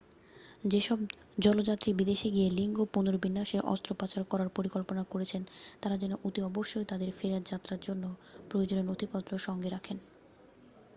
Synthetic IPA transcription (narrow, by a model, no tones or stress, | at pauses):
d͡ʑeʃɔb̚d͡ʑɔlod͡ʑat̪ːɾibid̪eʃeɡieliŋɡopunoɾbinːaʃeɾʔɔ̰st̪ɾopat͡ɕaɾokɔɾaɾpoɾikolponakoɾet͡ɕʰent̪aɾad͡ʑenoʔut̪iɔboʃːojt̪ad̪eɾfeɾad̪d͡ʑat̪ːɾaɾd͡ʑonːopɾojod͡ʑonenot̪ʰipɔt̪ːɾoʃɔŋɡeɾakʰen